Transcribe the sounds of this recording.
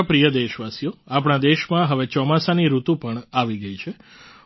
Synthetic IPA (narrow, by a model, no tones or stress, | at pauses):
pɾijəd̪eʃʋasijoapɳ̃ad̪eʃmãɦəʋet͡ʃɔmasaniɾut̪ũpəɳaʋiɡəit͡ʃʰe